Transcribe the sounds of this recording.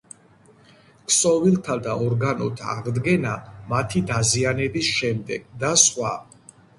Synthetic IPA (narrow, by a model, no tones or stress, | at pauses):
kʰsʼɔvilˠt̪ʰad̪aɔɾɡanɔt̪ʰa̰aʁd̪ɡɛnamat̪ʰid̪azianɛbisʃɛmd̪ɛɡ̥d̪aswa̰